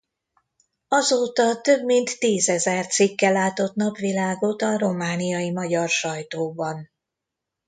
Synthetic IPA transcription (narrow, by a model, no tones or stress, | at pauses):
ɒzoːt̪ɒt̪ø̞bmint̪ːiːzɛzɛrt̪sikːɛlːaːt̪o̞t̪nɒpʋilaːɡo̞t̪ɒɾo̞maːnijɒjimɒɟɒrʃɒjt̪oːbɒn